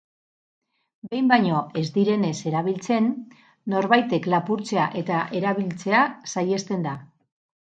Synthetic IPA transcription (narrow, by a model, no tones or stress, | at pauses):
be̞jmbajɲo̞e̞zd̪iɾe̞ne̞se̞ɾaβ̞ilt͡se̞nː | o̞ɾβajt̪e̞klapuɾt͡se̞aʔe̞t̪aʔe̞ɾaβ̞ilt͡se̞asaje̞st̪e̞nd̪a